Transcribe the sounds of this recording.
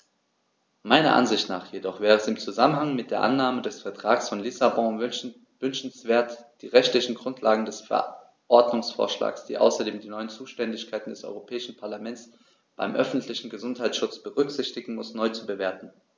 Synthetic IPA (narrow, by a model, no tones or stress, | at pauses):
maɪnɐ̰ʔa̰nzɪçtnaːχjedɔχv̥ɛːʁəɛsɪmt͡suzamənɦaŋmɪt̚d̥eːɐʔanːaːmədɛsfɛɐtʁ̥aːksfɔnlɪsabɔ̃ | vʏnʃn̩sv̥eːɐtd̥iːʁɛçtlɪçn̩ɡʁʊntʰlaːɡŋ̩dɛsfɛ̰ɐ | ʔɔɐdnʊŋsfo̰ːɐʃla̰ːksd̥ḭːʔa̰ʊsɐdeːmdiːnɔʏənt͡suːʃtɛndɪçkʰaɪtn̩dɛsʔɔ̰ʏʁopʰɛːɪʃn̩pʰaɐlamɛntt͡s | b̥a̰ɪmʔœfn̩tʰlɪçn̩ɡəzʊnthaɪtʃʊt͡sb̥əʁʏkz̥ɪçtɪɡŋ̩mʊsnɔʏt͡subəveːɐtn̩